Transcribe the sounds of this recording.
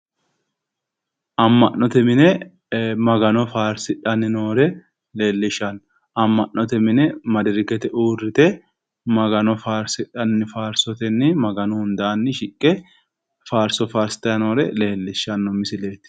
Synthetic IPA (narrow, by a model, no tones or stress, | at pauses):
ʔɐmːɐnːɔt̪ɛmɪnɛ | mɐɡɐnɔfaːɾsɪᶑɐnːɪnoːɾɛ | le̞ːlːɪʃːɐn | ɐmːɐʔːɔt̪ɛmɪnɛmɐd̪ɪɾɪɡɛt̪ɛʔuːrːɪt̪ɛ | mɐɡɐnɔfaːɾsɪᶑɐnːɪfaːɾsɔt̪ɛnːɪmɐɡɐnʊhʊnd̪aːnːɪʃɪkʼːɛ | faːɾsɔfaːɾsɪ̥t̪ɐnoːɾɛle̞ːlːɪʃːɐnːɔmɪsɪle̞ːt̪